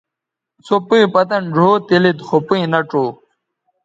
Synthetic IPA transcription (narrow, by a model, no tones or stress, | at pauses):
t͡sopiipɐt̪ɐnd͡ʑʱoːt̪ilit̪xopinɐʈ͡ʂoː